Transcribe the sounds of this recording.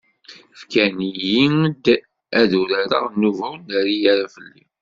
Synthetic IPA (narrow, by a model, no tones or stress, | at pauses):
fkænijid̪ | æðuɾaɾə̰ʁnːuvæwnæɾijaɾafəlːḭ